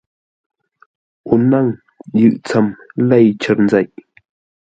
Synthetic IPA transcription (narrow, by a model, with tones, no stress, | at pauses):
ʔu˨na˥˨ŋ | jɯ˨ʔt͡sʰa˥˨mla˥˨jt͡ɕʰə˥˨rnd͡za˨jʔ